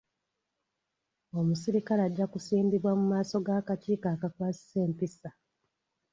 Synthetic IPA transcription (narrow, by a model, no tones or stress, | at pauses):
o̞musiɾikalaɟːakusiːndiβwamumaːso̞ɡaːkaciːkaːkakwaːsi̥se̞ːmpisa